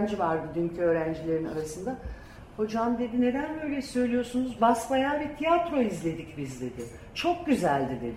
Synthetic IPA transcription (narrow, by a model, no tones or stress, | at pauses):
nd͡ʒivaɾd̪ɯd̪yncʰyø̞ːɾænd͡ʒilʲe̞ɾina̰ɾasɯnd̪a | ho̞d͡ʒamd̪e̞d̪ine̞d̪ænbø̞jlʲɛsø̞jlʲijo̞ɾsunuzbasvajaːvɛt̪ʰijat̪ɾo̞izlʲe̞d̪icbizd̪e̞d̪ɪ | t͡ʃʰo̞k̚ɟyzælʲd̪ed̪ɪ